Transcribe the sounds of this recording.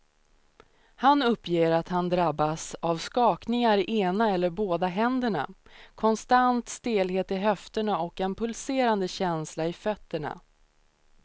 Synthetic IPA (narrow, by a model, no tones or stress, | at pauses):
hanɵpːjeːɾat̪hand̪ɾabːasavskɑːknɪŋaɾɪʔeːnaɛlːəɾboːd̪aɦɛnd̪əɳa̰kʰɔnst̪ant̪st̪eːlɦeːt̪ɪɦœft̪əɳaɔkɛnpʰɵlseːɾand̪əɕɛnslaɪfœt̪ːəɳa̰